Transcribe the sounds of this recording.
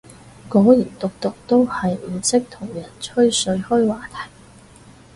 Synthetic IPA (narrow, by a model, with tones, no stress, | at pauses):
kɔː˨˥jiː˨˩nt̪ʊ˨k̚t̪ʊ˨k̚t̪o˥whɐ˨jm̩ː˨˩sɪ˥k̚t̪ʰʊ˨˩ŋjɐ˨˩nt͡ʃʰɵ˥ɥsɵ˧ɥhɵ˥ɥwaː˨t̪ʰɐ̥˨˩j